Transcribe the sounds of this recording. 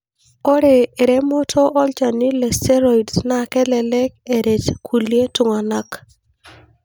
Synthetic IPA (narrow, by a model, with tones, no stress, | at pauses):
o˦ɾeː˨ɾe˦mɔ˦tʰɔ˦ʔɔ˦lt͡ʃa˨nɪ˦lɛ˨stɛ˦ɾo˨idsna˦kɛ˦lɛ˨lɛ˦k̚e˨ɾe˨t͡ʃkʰu˨lje˦tu˨ŋa˨na˦k